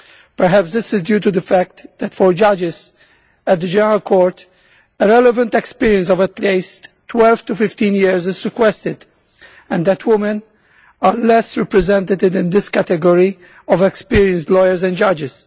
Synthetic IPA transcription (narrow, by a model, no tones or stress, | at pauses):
pəɹɦæpsd̪ɪsɪzdjuːt̪ud̪əfæk̚td̪ætfɔɹd͡ʒʌd͡ʒɪz̥ | æt̪̚d̪əd͡ʒɛnəɹəlkʰɔːɹt | əɾɛləvə̃nt̪ɛkspiɹiə̃ns̬ɔvətleɪsttːwɛlv̥t̪ufɪft̪ĩnjiɹzɪzɹɪkwɛst̪ɪd̪ | ɛ̃nd̪ætʰwɪmə̃n | alɛsɹɛpɹɛzɛ̃nt̪ət̪ɪdɪ̃nd̪ɪskæt̪ɛɡɔɹi | ɔvɛkspiɹiə̃nstlɔjəɹzɛ̃nd͡ʒʌd͡ʒɪz̥